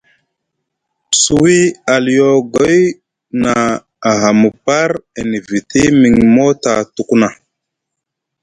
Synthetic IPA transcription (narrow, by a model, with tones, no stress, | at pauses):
su˨wi˦a˨ljo˨ɡo˦j | naː˨ | ɦa˨mu˨pa˦ɾe˨ni˨vi˨ti˦mi˨ŋmo˦ta˨tu˦ku˦na˨